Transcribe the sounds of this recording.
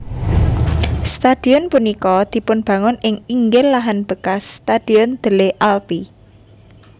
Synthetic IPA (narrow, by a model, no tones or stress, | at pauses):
st̪ad̪̥i̤ɔnpunikɔd̪̥i̤pʊnb̥ä̤ŋʊnɪŋiŋɡɪlːaɦanb̥ə̤kasːt̪ad̪̥i̤ɔnd̪̥ə̤leʔalpi